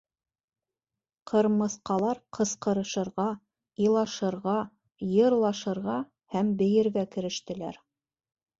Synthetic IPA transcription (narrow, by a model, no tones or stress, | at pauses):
qʰɤ̆ɾmɤ̆θqɑlˠɑɾqʰɤ̆sqɤ̆ɾɤ̆ʃɤ̆ɾʁɑ | ilˠɑʃɤ̆ɾʁɑ | jɤ̆ɾlˠɑʃɤ̆ɾʁɑ | hæmbɘ̆jɘ̆ɾɣækɘ̆ɾɘ̆ʃt̪ɘ̆læ̰ɾ